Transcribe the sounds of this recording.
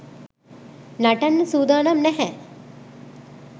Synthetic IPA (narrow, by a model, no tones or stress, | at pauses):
naʈɐnːəsuːd̪aːnɐmnɛɦɛ